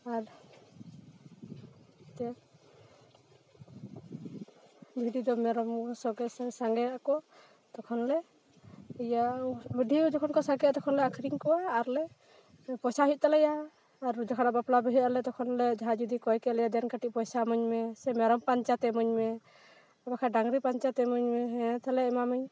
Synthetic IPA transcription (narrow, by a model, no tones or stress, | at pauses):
aɾ | t̪ɛ | d͡ʒuɦd̪id̪ɔmɛɾɔmsɔɡɛssaŋɡɛakɔ | t̪ɔkʰɔnlɛ | ɛjabəɖʱid͡ʒɔkʰɔnkɔsaɡɛat̪ɔkʰɔnlɛakʰɾiŋkɔwaːɾlɛ | pɔjsaɦit̪̚ˀt̪alɛjaː | ɾd͡ʒɔkʰanabaplabɛɦɛalɛt̪ɔkʰɔnlɛd͡ʒaɦad͡ʒud̪ikɔjkɛlɛjad̪ɛnkaʈiʔ̚pɔjsamɔɲmɛsɛmɛɾɔmpaɲt͡ʃat̪ɛmɔɲmɛ | abakʰaɖaŋɡɾipant͡ʃat̪ɛmɔɲmɛɦɛat̪alɛɛmaməɲ